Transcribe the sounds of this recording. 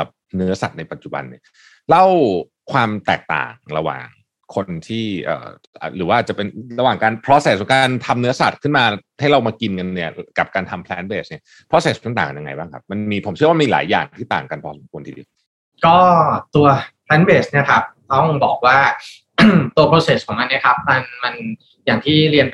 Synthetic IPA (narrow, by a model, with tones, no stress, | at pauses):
a˨˩p̚nɯ˦˥ɐsa̰˨˩t̪̚na˧jpa˨t̪̚t͡ɕu˨˩ba̰˧nːi˥˩ɐ | la˥˩w | kʰwaː˧mt̪ɛ̰ː˨˩k̚t̪a̰ː˨˩ŋɾa˧wa̰ː˨˩ŋ | kʰo˧nt̪ʰiː˥˩ʔə̰ː˨˩ | ʔa̰ː˨˩ɾɯː˩˦waː˥˩aː˨˩t͡ɕa˨˩pe˧nɾa˧waː˨˩ŋkaː˧npʰɾɔː˦˥seː˨˩˧kaː˧nt̪ʰa˧mnɯ˦˥ɐsa̰˨˩t̪̚kʰɯ˥˩nmaː˧ha˥˩jɾa˧wmaː˧ki˧nka˧nːi˥˩ɐka˨˩p̚kaː˧nt̪ʰa˧mpʰlɛ˦˥nbeː˨˩sni˥˩ɐ | pʰɾɔ˦˥seː˨˩skʰːnt̪aː˨˩kːa˧ja˧ŋa̰˧jbaː˥˩ŋkʰa˦˥p̚ma˧nmiː˧pʰo˩˦mʰt͡ɕɯ˥wa˥miː˧la̰ː˩˦jːa̰ː˨˩ŋt̪ʰiː˥˩t̪aː˨˩ŋka˧npʰɔː˦˥so˨˩˦kʰu˧ənʰiː˧dḭː˧˦ | kɔː˥˩t̪u˧ɐpʰlɛː˦˥nbeː˨˩sni˥˩ɐkʰa˦˥p̚t̪ɔ˥˩ŋbɔ̰ː˨˩k̚waː˥˩ | t̪u˧ɐpʰɾoː˧se˨˩skʰɔː˩˦ŋma˧nːi˥˩ɐkʰa˦˥p̚ma˧nma˧n | jaː˨˩ŋt̪ʰiː˥˩ɾi˧ən